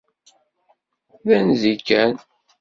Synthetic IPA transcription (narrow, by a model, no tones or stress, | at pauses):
ðænzikːæn